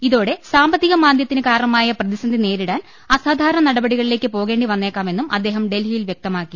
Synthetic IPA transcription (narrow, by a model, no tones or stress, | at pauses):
iðo̞ːɽe̞saːmbɐt̪ːiɣɐmaːd̪jɐt̪ːinɨkaːɾɐɳɐmaːjɐprɐðisɐnd̪ʱine̞ːɾiɽaːn | ɐsaːd̪ʱaːɾɐɳɐnɐɽɐbɐɽiɣɐɭile̞ːkːɨpo̞ːɣe̞ːɳɖiʋɐnːe̞ːkːaːme̞nːumɐ̰d̪ːe̞ːɦɐmɖe̞lɦijilʋjek̚t̪ɐmaːkːi